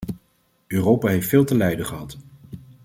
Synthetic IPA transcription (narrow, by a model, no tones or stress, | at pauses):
øːrowpaɦejftfɪːlˠtəlɛjdəχəɦɑt